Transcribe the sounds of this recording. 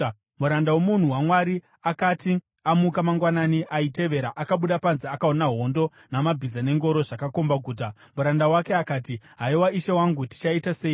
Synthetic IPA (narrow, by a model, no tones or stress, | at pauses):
muɾandawomun̤uwamwaɾi | akati | amukamaŋɡwananiʔaite̞ʋe̞ɾaʔakaɓuɗapanziakaonaɦo̞ndo̞ | namabʱizane̞ŋɡo̞ɾo̞ʐakako̞mbaɡʱuːt̬amuɾandawake̞akaːtiɦaiwaiʃewaŋɡuti̥t͡ʃaitase̞ːi